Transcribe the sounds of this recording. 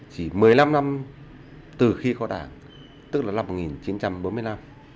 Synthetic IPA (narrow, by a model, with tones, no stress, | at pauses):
t͡ɕi˧˩mɨ˨˩əjla˧mna˧m | t̪ɨ˨˩xi˧kɔ˨˧˦ɗa̰ː˧˩ŋ | t̪ɨ˦˥k̚laː˨˩la˧mo˨˩ŋi˨˩nt͡ɕi˨˦nt͡ɕa˧mɓo˨˦nmɨ˧əjla˧m